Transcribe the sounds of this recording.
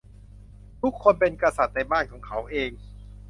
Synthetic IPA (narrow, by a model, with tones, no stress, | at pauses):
t̪ʰu˦˥kʰːo˧npe˧nkɾa˧sa˨˩t̪̚na˧jbaː˥˩nkʰɔː˩˦ŋkʰa˦˥wʔeː˧ŋ